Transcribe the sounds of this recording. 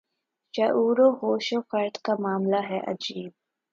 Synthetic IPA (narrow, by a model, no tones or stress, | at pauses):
t͡ʃaʔuːɾoɦoːʃofɐɾt̪kamaːmlaɦɛʔɐ̰d͡ʒiːb̚